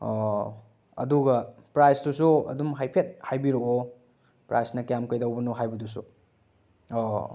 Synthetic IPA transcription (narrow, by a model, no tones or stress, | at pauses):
ɐ̰duɡɐpɾajsdusuɐ̰dumɦajpʰet̚hajbiɾoo | pɾajsnɐkjamkɐjdɐwbɐnoɦajbɐdusu